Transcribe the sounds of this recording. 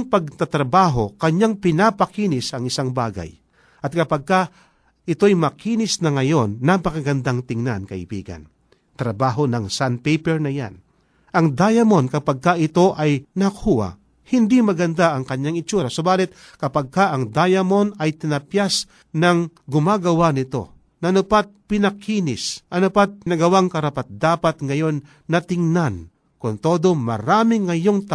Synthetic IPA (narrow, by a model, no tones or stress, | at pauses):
ŋpɐɡ̚t̪at̪ɾɐbaːɦo̞kɐɲaŋpɪnapɐkiːnɪsɐŋɪsaŋbaːɡa̰j | ʔɐt̪̚kɐpɐɡ̚ka | ʔɪt̪o̞jmɐkiːnɪsnɐŋɐjo̞nːɐpɐkɐɡɐnd̪aŋt̪ɪŋnankɐʔɪ̰bḭːɡɐ̰n | t̪ɾɐbaːɦo̞nɐŋsanpɛjpɛɹnɐja̰n | ʔɐŋd̪ajɐmo̞nkɐpaɡ̚kaʔɪt̪o̞ʔɐjnɐkʰuːa̰ | hɪnd̪imɐɡɐnd̪aʔɐŋkɐɲjaŋɪt͡ʃuːɾasobaːlɪt̪̚ | kɐpɐɡ̚kaʔɐŋd̪ajɐmo̞nɐjt̪ɪnɐpjas | nɐŋɡʊmaːɡɐwanɪt̪o̞̰ | nɐʔnʊpat̪̚pɪnɐkʰiːnɪsʔɐnopat̪̚nɐɡɐwaŋkɐɾɐpat̪̚d̪aːpɐt̪̚ŋɐjo̞nː | ɐt̪ɪŋnan | kʊnt̪o̞ːd̪o̞mɐ̰ɾaːmɪŋːɐjoŋt̪a